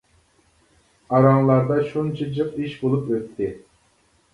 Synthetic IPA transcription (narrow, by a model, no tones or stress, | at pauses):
ɑɾɑŋlˠɑɾd̪ɑʃunt͡ʃʰid͡ʒɨqiʃbolˠupøt̪ʰːɪ